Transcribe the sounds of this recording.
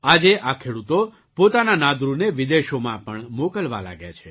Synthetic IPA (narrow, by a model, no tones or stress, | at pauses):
ad͡ʒeʔakʰeɽut̪o | pot̪ananad̪ɾuneʋid̪eʃomãpəɳmokəlʋa̰la̰ɡja̰t͡ʃʰe